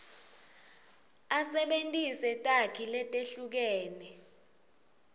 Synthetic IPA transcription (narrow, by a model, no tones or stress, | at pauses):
asɛɓentʼisɛtʼakʰilɛtʼeɬuk̬ɛːnɛ